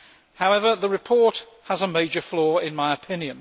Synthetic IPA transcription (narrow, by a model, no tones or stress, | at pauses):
haʊɛvəðəɹɨpʰɔɹt | həzəmeɪd͡ʒəflɔːɹɪ̃nmaɪəpʰɪ̃njə̃n